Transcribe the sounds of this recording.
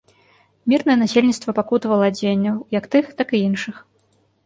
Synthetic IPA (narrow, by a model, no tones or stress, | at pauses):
mʲirnɐjɛnasʲelʲnʲit̪st̪vɐpakut̪vɐlˠɐd͡zʲenʲːɐwjɐkt̪ɨxt̪akɨinʂɨx